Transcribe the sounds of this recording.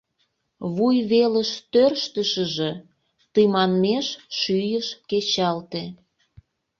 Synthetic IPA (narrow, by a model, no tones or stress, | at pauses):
βujβeləʃt̪ørʃt̪əʃə̆ʒĕ | t̪ɨmɑnmeʃʃyjəʃket͡ɕɑlt̪e